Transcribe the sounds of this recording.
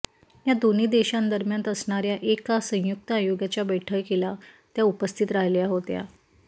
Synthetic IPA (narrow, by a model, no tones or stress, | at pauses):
ɦjad̪oniːd̪eɕãnd̪əɾmjant̪əsɳ̃aɾjaʔekasə̃juk̚t̪əajoɡjat͡ɕjabeʈʰəɭkelat̪jaupəst̪ʰiːt̪ɾaɦljaɦot̪ja̰